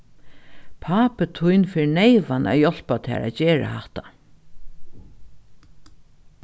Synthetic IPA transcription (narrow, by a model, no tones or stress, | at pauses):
pʰaːpət̪ʰujnfɪɾnejʋana̰jɔl̥pat̪ʰa̰ːɾa̰ðt͡ɕeːɹa̰haht̪a